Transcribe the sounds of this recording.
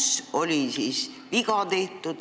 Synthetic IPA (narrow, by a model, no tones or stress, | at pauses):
so̞lʲisis | ʋiɡɑt̪e̞ht̪ˑud̪̥